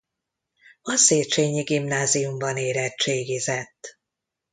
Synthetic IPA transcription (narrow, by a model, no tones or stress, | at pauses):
ɒseːt͡ʃeːɲiɡimnaːzijumbɒneːɾɛt͡ʃeːɡizɛt̪ː